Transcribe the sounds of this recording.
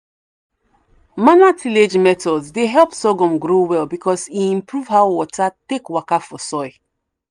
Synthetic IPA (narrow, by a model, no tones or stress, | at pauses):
manatʰiled͡ʒmɛtɔlzdeɦɛlˠpsɔɡɔ̃mɡɹowɛlbikʰɔsiĩmpɹuvhaʊwɔtatekwakafɔsɔɪ